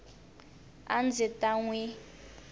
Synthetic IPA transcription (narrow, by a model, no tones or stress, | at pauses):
a̰nd͡zitaŋwi